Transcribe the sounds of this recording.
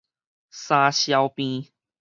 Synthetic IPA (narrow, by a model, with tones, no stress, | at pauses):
sã˧ɕja˧ʊwpĩ˧